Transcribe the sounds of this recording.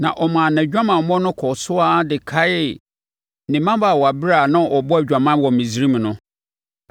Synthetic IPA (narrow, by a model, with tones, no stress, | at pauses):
nã̰˨ʔɔ˨mãː˨nɛ̃˨d͡ʑᶣã˦mã˨mɔ̃˦nʊ̃˦kʰɔ˨sʊ˦a˦dɪ˨kʰa˦ɪ˦˨ | nɪ̃˨mã˦ba˨wɔ˨a˨bɪ˦ɾa˦˨nã˦˨ʔɔ˨bɔ˦æ˨d͡ʑᶣã˨mã˦wɔ̃˨mĩ˨zi˦ɾi˦m̃˨nʊ̃˦